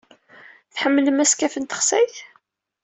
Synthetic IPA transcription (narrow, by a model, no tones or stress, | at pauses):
θħəmːləmæskæfənt̪ə̥χsæjθ